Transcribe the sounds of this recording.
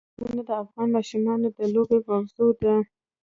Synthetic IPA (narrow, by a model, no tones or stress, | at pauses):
uned̪əafɣɑnmɑʃumɑnod̪əlobemawzod̪a